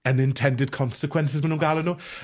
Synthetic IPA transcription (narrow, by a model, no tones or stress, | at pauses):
ə̃nɪ̃ntʰɛ̃ndɪd̚kʰɔ̃nsɪkʰw̥ɛ̃nsɪzwɛnũɡalˠəno